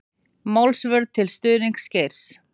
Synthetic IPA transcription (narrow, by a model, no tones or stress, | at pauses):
mawlsvœɾðt̪ʰɪlst̪ʏːðiŋkscejɾ̥s